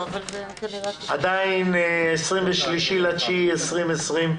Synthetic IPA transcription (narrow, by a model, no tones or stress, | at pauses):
ad̪ainesʁimveʃliʃilat͡ʃiesʁimesʁim